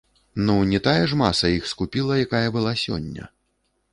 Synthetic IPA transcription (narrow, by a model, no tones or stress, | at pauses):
nunʲɛt̪ajɐʐmasɐixskupʲilˠɐjakajɐbɨlˠasʲɔ̰nʲːɐ̰